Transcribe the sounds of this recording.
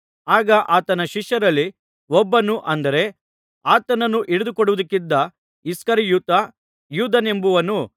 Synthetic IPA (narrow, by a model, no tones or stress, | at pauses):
aːɡɐʔaːt̪ɐnɐʃiʃjɐɾɐlːi | ʋɔbːɐnuʔɐnd̪ɐɾe̞ | aːt̪ɐnɐnːuʔiɽud̪ukɔɽuʋud̪ɐkːid̪ːɐ | iskɐɾijuːt̪ɐ | juːd̪ɐne̞mbuʋɐnu